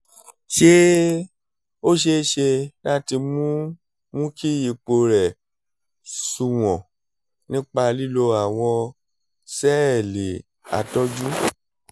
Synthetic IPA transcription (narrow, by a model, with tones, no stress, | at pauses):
ʃe˦ | o˦ʃ̬e˦ʃe˧la˦ti˧mũ˦ | mũ˦ki˦ji˨k͡po˧ɾɛ˨ | su˨w̃ɔ̃˨ | nĩ˦k͡pa˧li˦lo˧a˦˨w̃ɔ̃˧ | sɛ˦ɛ˨le˨ | a̰˨tɔ˦d͡ʒu˦